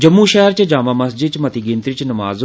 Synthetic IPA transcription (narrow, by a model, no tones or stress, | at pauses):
d͡ʒɐmːuʃɛɦɾt͡ɕɐd͡ʒaːmaːmɐsd͡ʒɪt͡ʃmɐt̪ʰiːɡɪ̃ːnt̪ɾit͡ʃnɐma̰ːz